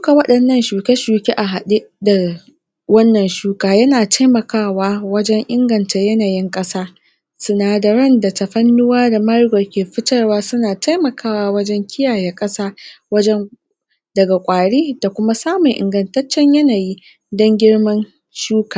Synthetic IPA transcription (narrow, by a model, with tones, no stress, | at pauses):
ʃuː˦ka˨wɐ˦ɗɐ˨nːɐ˦nʃuː˨kʲe˦ʃuː˨kʲe˦ʔa˨ɦa˨ɗi˦ʔda˨ | wɐ˦nːɐ˨nʃuː˦kaː˨jɐ˦naː˨tʰa˦jmɐ˨kaː˦˨waː˦wɐ˦d͡ʒɛ˦ŋʔɪ˦ŋɡɐ˨nta˨jɐ˦naː˨jɪ˦ŋkʼɐ˦saː˦ | sʊ˨naː˨dɐ˨ɾɐ˦nda˨ta˨ɸɐ˦nːʊ˦waː˦da˨mɐ˦ɾɡɔ˨kʲeː˨ɸɪ˦tɐ˦rwaː˦sʊ˦naː˨tʰa˦jmɐ˨kʰaː˦˨waː˦wɐ˦d͡ʒɛ˦ŋkʲɪ˦jaː˨jɛː˨kʼɐ˦saː˦wɐ˦d͡ʒɛ˦ŋ | dɐ˨ɡa˨kʷʼaː˨ɽiː˦d̥a˨kʷʊ˦ma˦saː˦mʊ˨ŋʔɪ̰˨ŋɡɐ˨ntɐ˦t͡ʃːɛ˦ɲjɐ˦naː˨ji˦ | dɔ˦ŋɡʲɪ˦ɽmɐ˦n | ʃuː˦kaː˨